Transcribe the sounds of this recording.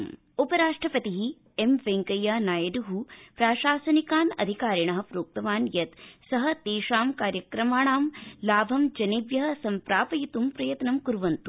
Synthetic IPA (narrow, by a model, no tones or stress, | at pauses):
upɐɾaːʂʈɾɐpɐt̪iɦi | emʋeŋkɐjaːnaːjɐd̪uɦupɾaːʃaːsɐnikaːnɐ̰d̪ʱikaːɾiɳɐɦɐpɾoːk̚t̪ɐʋaːnjɐt̪sɐɦɐ̆t̪eːʃaːmkaːɾjɐkɾɐmaːɳaːmlaːbʱɐmd͡ʒɐneːʋjɐɦɐ̆sɐmpɾaːpɐjit̪umpɾɐjɐt̪nɐmkuɾuʋɐnt̪u